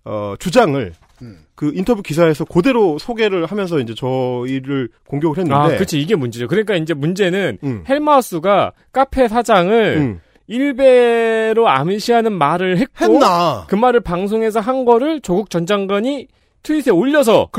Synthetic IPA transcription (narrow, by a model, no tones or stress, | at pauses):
ʌ̰t͡ɕud͡ʑaŋɯɭ | kɯintʰʌbjukis̬ʰae̞sʰʌkode̞ɾosʰoɡe̞ɾɯɭhamjʌns̬ʰʌind͡ʑe̞t͡ɕʌiɾɯɭkoŋɡjoɡɯɭɦenːɯade̞kɯt͡ɕʰiiɡe̞mund͡ʑed͡ʑokɯɾʌɲik͈aind͡ʑe̞mund͡ʑe̞nɯnhe̞ɭmas͈uɡa | k͈apʰe̞sʰad͡ʑaŋɯɭ | iɭbe̞ɾoa̰mɯɕʰiɦanɯnmaɾɯɭɦe̞t̚keoakɯmaɾɯɭpaŋsʰoŋɦe̞sʰʌɦanɡʌɾɯɭt͡ɕoɡuk̚t͡ɕʌnd͡ʑaŋɡaɲi | tʰuisʰe̞oʎːʌs̬ʰʌ